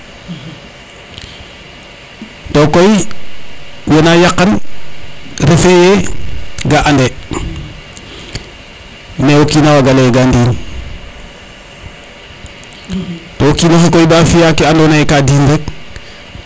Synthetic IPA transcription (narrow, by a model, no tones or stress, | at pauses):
tokoj | wenajaqːan | ɾefeje | ɡaʔande | newokiːnawaɡaleɡandiːn | tokiːnoxekojbafijakianonajekadiːndɛk̚